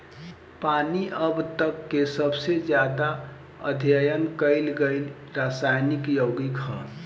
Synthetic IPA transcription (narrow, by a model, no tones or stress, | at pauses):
paniʔəbt̪əkːesəbsed͡ʒjad̪a | ə̰d̪ʱjəjənkəɪlɡəɪl | ɾasajnikjoɡikɦə̰